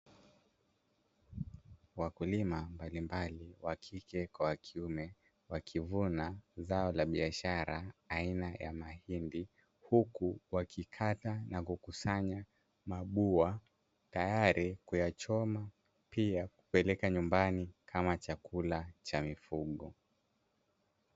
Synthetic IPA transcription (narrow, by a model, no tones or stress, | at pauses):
wakulimambalimbaliwakʰikɛkwawakʰiumɛ | wakʰivunazaɔlaɓiaʃaɾaːinaja̰mahindi | hukuwakʰikʰatanakukusaɲa | maɓua | tajaɾikujat͡ʃɔma | piaku̥pɛlɛkaɲumbanikʰamat͡ʃakulat͡ʃamifuɠɔ